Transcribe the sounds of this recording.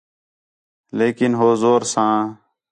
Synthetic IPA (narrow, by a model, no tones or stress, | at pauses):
leːkɪnɦoːzoːɾsãː